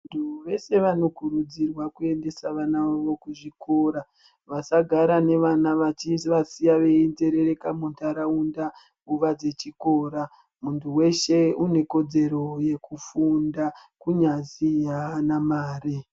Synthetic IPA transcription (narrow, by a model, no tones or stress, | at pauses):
ntʰuʋe̞se̞ʋano̞kuɾud͡zirwakue̞nde̞saʋanaʋaʋokuʐiko̞ːɾa | ʋasaɡʱaɾane̞ʋanaʋat͡ʃiʋasijaʋe̞inde̞ɾe̞ɾe̞kamuntʰaɾaunda | uʋad͡ze̞t͡ʃiko̞ːɾa | muntʰuwe̞ʃe̞une̞ko̞d͡ze̞ɾo̞je̞kufundakuɲazijaanamaːri